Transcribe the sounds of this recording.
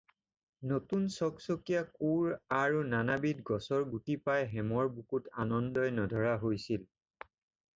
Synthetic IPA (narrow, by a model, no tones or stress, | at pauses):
notunsɔksokijakuɹaɹunanabitɡɔsɔɹɡutipajɦɛmɔɹbukutanɔndɔjnɔdʱɔɹaɦojsil